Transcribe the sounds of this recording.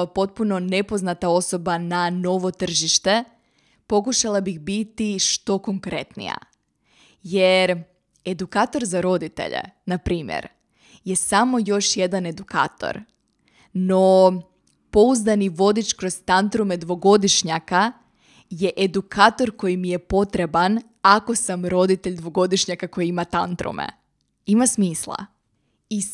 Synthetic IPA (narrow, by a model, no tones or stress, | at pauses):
po̞t̪̚puno̞ne̞po̞znat̪ao̞so̞banano̞ʋo̞t̪r̩ʒiʃt̪e | po̞kuʃalˠabiɣbit̪iʃt̪o̞koŋkɾe̞t̪nḭja̰ | jeɾ | ed̪ukaːt̪o̞ɾzaɾo̞d̪it̪ḛʎḛnapɾiːmjḛɾ | je̞samo̞jo̞ʃje̞d̪ane̞d̪uka̰ːt̪o̞̰ɾ | no | po̞uzd̪aniʋo̞d̪it͡ʃkɾo̞zt̪ant̪ɾume̞d̪ʋo̞ɡo̞d̪iʃɲaka | je̞ʔed̪ukʰaːt̪o̞ɾko̞jimije̞po̞t̪ɾe̞ban | ako̞samɾo̞d̪it̪e̞ʎd̪ʋo̞ɡo̞d̪iʃɲakako̞jiimat̪ant̪ɾṵmḛ | imasmiːslˠa̰ | i